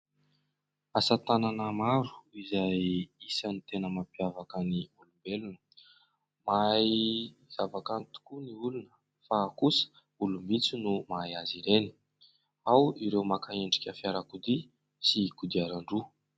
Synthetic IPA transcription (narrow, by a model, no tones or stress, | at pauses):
asat̪ananəmaɾu̥izajisanit̪enəmapiavakəniulumbelunə̥ | majz̥avakant̪u̥kuniulunə̥ | fakusə̥ | ulumit͡sinumajaziɾeni̥ | awiɾewmakaeɳɖ͡ʐi̥kʲəfiaɾakud̪i | sikud̪iaɾaɳɖ͡ʐu